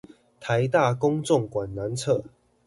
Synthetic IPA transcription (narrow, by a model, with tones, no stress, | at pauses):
t̪ʰa˨˦ɪt̪a˥˨kʊ˥˦ŋt͡sɔ˥˨ŋkwa˨˩nna˨˦nt͡sʰɤ˥˨